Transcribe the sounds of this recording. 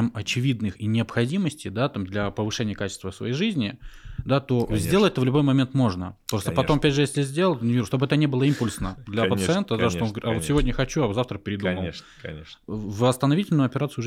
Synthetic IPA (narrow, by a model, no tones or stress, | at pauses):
mɐt͡ɕɪvʲid̪nɨxinʲɪəpxɐdʲiməsʲtʲɪd̪at̪amd̪lʲɐpəvɨʂɛnʲɪjəkat͡ɕɪ̥st̪vəfsvɐ̰jejʐɨzʲnʲɪd̪at̪o̞zʲdʲelˠətʲɛt̪əvlʲʊbo̞jmɐmʲe̞nt̪mo̞ʐnəpɾost̪əpɐt̪o̞mɐpʲædʲʐɨjesʲlʲɪzʲdʲelˠənʲvʲiuʂt̪obɨɛt̪ənʲebɨlˠəimpʊlʲsnəd̪lʲɐpət̪ssɨent̪əd̪aʂt̪oonɡəɾavo̞t̪sʲɪvo̞dʲnʲəxɐt͡ɕuazaft̪ɾəpʲɪɾʲɪd̪uməlˠ | vɐst̪ənɐvʲitʲɪlʲnʊjʊɐpʲɪɾat̪sɨʊʐ